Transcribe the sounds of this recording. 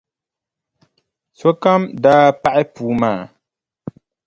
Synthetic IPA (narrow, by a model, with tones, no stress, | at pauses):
so˦ka˦mdaː˦pa˦ʔɪ˦puː˨˦maː˦˨